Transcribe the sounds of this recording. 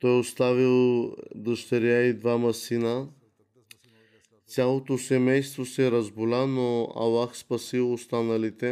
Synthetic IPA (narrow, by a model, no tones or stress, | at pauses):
t̪ɔjust̪avilˠd̪əʃt̪ɐɾjaid̪vamɐsina | t͡s̪ʲjalˠot̪osɛmɛjst̪vosɛɾɐzbulanoɐ̰waxspɐsilust̪anɐlit̪e